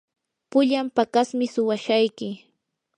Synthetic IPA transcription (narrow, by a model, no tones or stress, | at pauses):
pʊʎampakasmɪsʊwaʃajkɪ